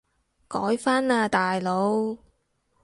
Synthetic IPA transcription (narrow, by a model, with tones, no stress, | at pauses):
kɔː˨˥jfaː˥naː˧t̪aː˨jlo˨˧w